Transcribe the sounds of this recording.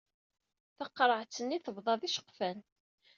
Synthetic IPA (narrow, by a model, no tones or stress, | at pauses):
θəqːɾˤəʕt͡sːənːiθəvðˤɑðiʃə̥qːfæn